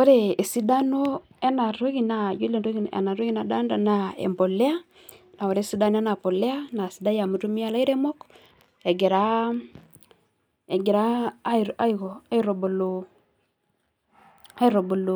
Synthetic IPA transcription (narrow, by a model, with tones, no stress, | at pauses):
o˦ɾeː˦˨si˦da˦no˦ | e˦na˨ɾo˦ɣi˨na˨ju˦le˨nɾo˦ɣi˨n˨ḛ˨na˨ɾo˦ɣi˦na˨da˦nda˨na˨ḛ˨mbɔ˨lɛ˦a˦ | na˨o˨ɾe˦si˦da˦n˦ɛ˦na˨po˨lɛ˦a˦na˨si˨da˦ja˨mu˨˦tu˦mi˦a˦˨la˦i˦ɾe˦mɔ˦k | ɛ˨ɡe˨ɾa˦˨ | ɡe˨ɾa˦˨a˦i˨ɣɔ˨a˦i˦ɾo˨bo˨lo˨ | a˦i˦ɾo˨bo˨lo˨